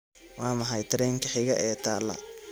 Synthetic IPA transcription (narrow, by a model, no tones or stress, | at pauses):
wɑːmɐɦɐjt̪ʰɐɾɛːŋkʰɐħɪɣɐ̰ʔɛːt̪ʰaːlːɐ̰